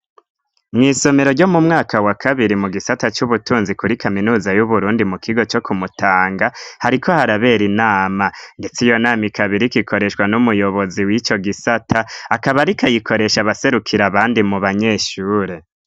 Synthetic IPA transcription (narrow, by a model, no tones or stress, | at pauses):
mŋiːso̞me̞ɾo̞ɾɟo̞mumŋaːkʰawakʰaβiɾimuɡisatat͡ʃuβutuːnzikuɾikaminuːzajuβuɾuːndimukʰiɡo̞t͡ʃo̞kʰumutʰaːŋɡahaɾikʰohaɾaβe̞ɾinaːmande̞t͡sijo̞naːmikʰaβiɾikikʰo̞ɾe̞ʃwanumujo̞βo̞ziwit͡ʃo̞ɡisatʰaːkaβaɾikʰajikʰo̞ɾe̞ʃaβase̞ɾukʰiɾaβaːndimuβaɲe̞ʃuːɾe̞